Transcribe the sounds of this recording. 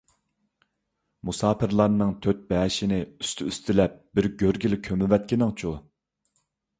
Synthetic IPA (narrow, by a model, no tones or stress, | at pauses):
musɑːpɪɾlˠɑɾnɨŋt̪ʰøt̪̚bɛːʃɪnɪy̥st̪ʰyyst̪ʰɪlɛp̚bɪɾɡʲøɾɡʲilkʲʰømɪvɛt̪̚kʲinɪŋt͡ʃʰu